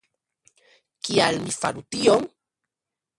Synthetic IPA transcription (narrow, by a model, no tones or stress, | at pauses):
kialmifa̰ɾut̪ioŋ